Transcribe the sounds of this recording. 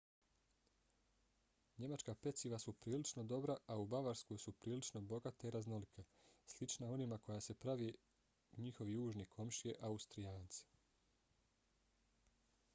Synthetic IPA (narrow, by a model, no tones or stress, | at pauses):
ɲe̞mat͡ʃkape̞t̪siʋasupɾiːlit͡ʃno̞d̪o̞bɾaaubaʋaɾskojsupɾiːlit͡ʃnobo̞ɡat̪aiɾazno̞likʰaslit͡ʃnao̞nimako̞jase̞pɾaʋe | ɲixo̞ʋijuːʒnikʰo̞mʃijeʔaust̪ɾijaːnt̪si̥